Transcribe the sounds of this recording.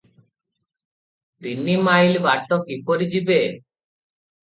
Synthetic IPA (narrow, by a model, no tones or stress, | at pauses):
d̪inːimajlbaɾʈ̪ːokipoɾid͡ʑibe